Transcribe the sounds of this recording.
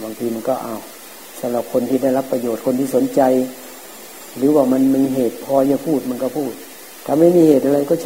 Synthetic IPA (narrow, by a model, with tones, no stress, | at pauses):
baː˧ŋt̪ʰiː˧ma˧˩nkɔ˥˩ʔa˧˩w | sa˦˥mla˧˩p̚kʰo˧nt̪ʰiː˧da˥˩jla˦˥pːɾa˧joː˨˩t̪̚kʰo˧nt̪ʰiː˧˩so˩˦nt͡ɕa˧j | ɾɯː˨˦waː˧˩ma˧˨nmi˧˩ɦeː˨˩t̪̚pʰɔː˧jaː˧pʰuː˥˩t̪̚ma˧˥˨nkɔ˧˩pʰuː˥˩t̪̚ | kʰaː˧˩ma˥˩jmiː˧heː˨˩t̪ʔa˧a˧jkɔː˥˩t͡ɕʰ